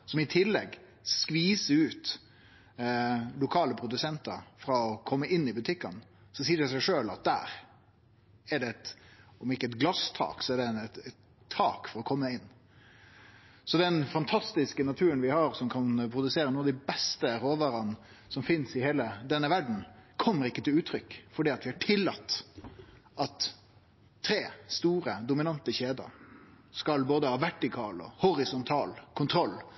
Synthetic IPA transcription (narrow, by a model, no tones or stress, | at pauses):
sɔmɪt̪ʰɪlːɛ̰ɡ | skʋiːsəʉːt̪ | lʊkʰɑːləpʰɾʊd̪ʉsɛnt̪əɾfɾɑɔkʰɔmːəʔɪnːɪbʉt̪ʰɪkːɑnsɔsiːɾæsɛɪʂøːlɑ̰t̪̚d̪æ̰ːɾ | ɛɖɛɛt̪ɔmɪkːəɛt̪ɡlɑst̪ʰɑ̰ːksɔɛɖɛt̪ɛt̪ʰː | ɑ̰ːkfɔɾɔkʰɔmːəɪnː | sɔd̪ɛnfɑnt̪ʰɑst̪ɪskənɑt̪ʰʉːɾənʋɪhɑɾsɔmkʰɑnpʰɾʊd̪ʉseːɾənuːɑd̪ɪbɛst̪əɾoːʋɑɾɑn | sɔmfɪnsɪheːləd̪ɛnːəʋæɖɳ̩kʰɔmːəɾɪkːət̪ʰɪlʉːt̪ʰɾʏkːfɔɖiːɑt̪ʋɪhɑʈʰɪlːɑ̰t̪ː | ʔɑt̪ʰː | ɾeːst̪uːɾəd̪ʊmɪnɑnt̪əçeːd̪ə̰ɾ | skɑlboːd̪əhɑːʋæʈːɪkʰɑːlɔ̰hɔɾɪsʊnt̪ʰɑːlkʰʊnt̪ʰɾɔlː